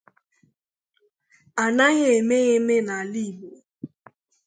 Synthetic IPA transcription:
a˨na˦ɣe˨e˨me˦ɣe˦me˦na˨li˦˨bo˨

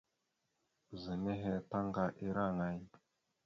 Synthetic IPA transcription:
zə˨ne˦ɦe˦ta˦ŋɡa˨ʔi˦ɾa˦˨ŋa˦j

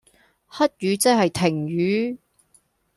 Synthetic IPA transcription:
hɐ˥t̚ɥyː˨˧˥t͡sɐ˥k̚ɦɐ˨jt̪ʰɪ˨˩ŋjyː˨˥

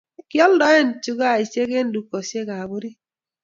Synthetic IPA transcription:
kjɔ˦ldɔ˦ɛ˦n˨t͡ʃu˦ɡa˦˨i˨sje˦ɡe˦n˦du˨kɔ˨sje˦ɡa˨bo˦ɾi˦

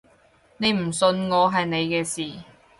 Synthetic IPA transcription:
ne˨˧jm̩˨˩sɵ˧nŋɔː˨˧ɦɐ˨jne˨˧jkɛː˧siː˨

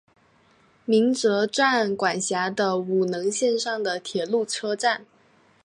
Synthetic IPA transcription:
mi˧˥ŋt͡sɤ˧˥ʈ͡ʂwa˥˩nkwa˨˩nɕja˧˥d̪ə˧u˨˩nɤ˧˥ŋɕjɛ˥˧nʂɑ˥˩ŋd̪ə˩t̪ʰjɛ˨˩lu˥˩ʈ͡ʂʰɤ˥ʈ͡ʂa˥˩n

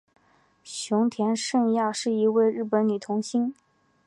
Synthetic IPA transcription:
ɕjʊ˧˥ŋt̪ʰjɛ˧˥nʂə˥˧ŋja˥˧ʂɻ̩˥˩i˧˥we˥˧ɪɻɻ̩˥˩pə˧˥nny˨˩t̪ʰʊ˧˥ŋɕi˥n

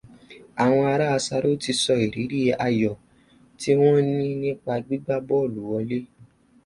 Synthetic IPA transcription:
a˨w̃ɔ̃˧a˧ɾa˦a˧sa˧ɾo˦ti˧sɔ˧i˨ɾi˨˦ɾi˦e˧ʔa˧jɔ˨ | ti˦w̃ɔ̃˦nĩ˦nĩ˦k͡pa˧ɡ͡bi˦ɡ͡ba˦bɔ˦o˦˨lu˨˦wɔ˧le˦

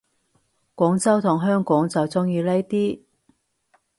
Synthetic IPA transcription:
kʷɔː˨˥ŋt͡sɐ˥wt̪ʰʊ˨˩ŋɦœː˥ŋkɔː˨˥ŋt͡sɐ˨wt͡sʊ˥ŋjiː˨˧lɐ˥jt̪iː˥

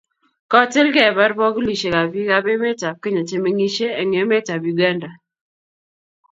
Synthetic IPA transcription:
kɔ˦tɪ˦lkɛ˦˨ba˦ɾbɔ˦ɡu˦li˨ʃe˨ka˨bi˦ka˦be˦me˦ta˨p̚ke˦ɲɔ˨te˦me˦ŋi˦ʃe˦e˨ŋe˨˦me˦ta˨bju˨ɡa˦nda˨

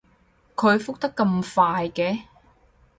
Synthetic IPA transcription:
kʰɵ˨˧ɥfʊ˥k̚t̪ɐ˥kːɐ˧mfaː˧jkɛː˨˥

